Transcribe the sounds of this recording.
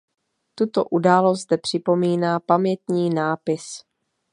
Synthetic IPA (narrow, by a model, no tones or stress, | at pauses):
t̪ut̪o̰ʔudaːlosd̪ɛpr̝̥ɪpo̞miːnaːpamɲɛt̪ɲiːnaːpɪs